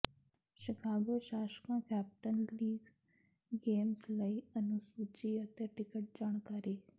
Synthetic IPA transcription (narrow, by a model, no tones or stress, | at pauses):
ʃɪkʰaːɡoʃaːʃkãːkɛːp̚ʈənliːɡ | ɡeːmsləiənusuːt͡ʃiːət̪eʈɪkəʈ̚d͡ʒaːɽ̃kaːɾeː